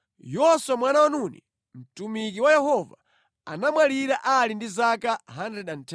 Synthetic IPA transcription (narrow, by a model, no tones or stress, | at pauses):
jɔswamwanawanunḭ | m̩tumik̬iwajɛhɔva̰ | a̰namwaliɾaʔalindizakaɦanɾɛɗan̩tʰɛ